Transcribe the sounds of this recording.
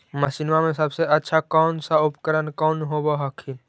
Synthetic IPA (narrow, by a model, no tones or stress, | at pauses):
məsinʋamẽsəbseʔətːʃʰakɔːnsaʊpkəɾənkɔːnɦobaɦəkʰi